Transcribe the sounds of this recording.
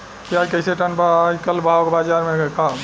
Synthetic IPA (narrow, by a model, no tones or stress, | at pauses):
kiad͡ʒkəɪseʈənbad͡ʒkəlbʱawokebad͡ʒaɾmeka